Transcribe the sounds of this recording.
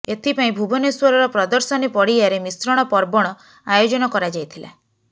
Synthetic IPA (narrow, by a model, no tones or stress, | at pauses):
et̪ʰipaĩbʱubɔneswɔɾɔɾɔpɾɔd̪ɔɾsɔnipɔɽiaɾemisɾɔɽ̃ɔpɔɾbɔɽ̃ɔ | ajod͡ʒɔnɔkɔɾad͡ʒajt̪ʰila̰